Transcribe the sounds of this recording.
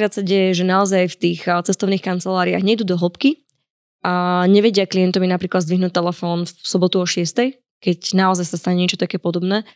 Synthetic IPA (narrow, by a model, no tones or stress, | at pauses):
kɾaːt̪saɟɛjɛʒɛnaɔzajft̪iːxt͡sɛst̪ɔʊniːxkant͡sɛlaːɾia̰ɣɲɛjd̪uːd̪ɔɦl̩pki | aɲɛʋɛɟɪaklijɛnt̪ɔminapɾiːklad̪zd̪ʋiɦnuːt̚t̪ːɛlɛfɔːnsɔbɔt̪uɔʃɪɛst̪ɛj | kɛcnaɔzajsast̪aɲɛɲɛt͡ʃɔt̪akɛːpɔd̪ɔbnɛː